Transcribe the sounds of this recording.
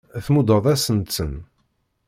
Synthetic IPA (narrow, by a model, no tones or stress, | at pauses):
θmud̪ˤəðˤæsənsən